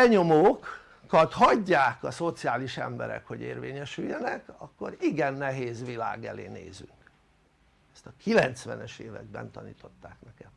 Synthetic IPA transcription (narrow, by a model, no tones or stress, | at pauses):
ɛɲomoːk | kɒt̪hɒɟːaːkɒso̞t̪sijaːliʃɛ̰mbɛɾɛ̰kho̞ɟeːrveːɲɛʃyjːɛnɛkɒkːo̞ɾiɡɛnːɛɦeːzʋila̰ːɡɛleːneːzyŋk | ɛst̪ɒkilɛnt̪sʋɛnɛʃeːvɛ̰ɡ̚bɛ̰nt̪ɒniːt̪o̞t̪ːaːknɛkɛm